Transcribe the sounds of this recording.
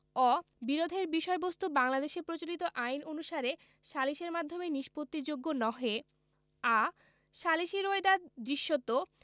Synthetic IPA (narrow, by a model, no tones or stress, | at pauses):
ɔ | biɾod̪ʱeɾbiʃɔebost̪ubaŋlad̪eʃepɾot͡ɕolit̪oʔajnonuʃaɾe | ʃaliʃeɾmad̪ʱːomeniʃpot̪ːid͡ʑoɡːonɔɦe | a | ʃaliʃiɾoed̪ad̪ɾiʃːot̪ːo